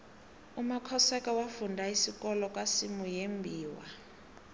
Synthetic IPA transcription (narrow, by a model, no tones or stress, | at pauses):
umakʰɔsɛkawafundʱaisikʼɔlɔkʼwasimujembʱiːwa̰